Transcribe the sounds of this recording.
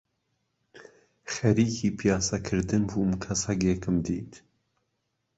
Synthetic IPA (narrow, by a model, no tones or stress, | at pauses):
xɐɾiːkʰiːpʰijɑːsɐkʰɨɾd̪ɨnbuːmkʰɐsɐɡekɨmd̪ḭːt̪ʰ